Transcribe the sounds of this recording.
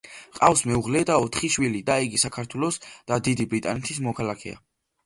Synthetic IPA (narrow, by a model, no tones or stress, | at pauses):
qʼafsmɛuʁlɛd̪aɔt̪ʰχiʃwilid̪aiɡisakʰaɾt̪ʰwɛlˠɔsd̪̥ad̪id̪ibɾit̪ʼa̰nɛt̪ʰismɔkʰalakʰɛ̰a̰